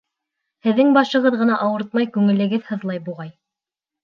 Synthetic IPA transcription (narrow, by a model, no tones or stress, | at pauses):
hɘ̆ðːɘŋbɑʃɤ̆ʁɤðʁɤ̆nɑʔɑwɤɾt̪̚mɑjkʉŋɘ̆lɘ̆ɡɘðhɤ̆ðlˠɑjbuʁɑj